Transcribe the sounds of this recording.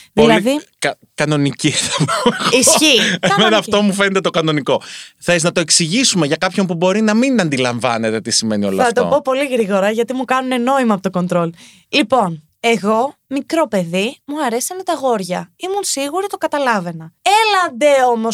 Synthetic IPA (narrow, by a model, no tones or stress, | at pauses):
ðilɐðikɐ | kɐno̞niciθɐmoɣisçiemenɐːft̪o̞mufe̞net̪e̞t̪okɐno̞niko̞θeznɐt̪o̞eksiʝisumeʝɐkɐpço̞mpubo̞ɾinɐminɐnd̪ilɐɱvɐne̞t̪et̪isime̞nio̞lɐɐt̪opo̞po̞liɣɾiɣo̞ɾɐʝɐt̪imukɐnune̞no̞imɐpot̪oko̞nt̪ɾo̞l | lipo̞n | e̞ɣo̞mikɾo̞pe̞ðimuɐɾesiɐnet̪ɐɣo̞ɾʝɐimunsiɣuɾit̪o̞kɐt̪ɐlɐve̞nɐelɐnd̪e̞o̞mo̞s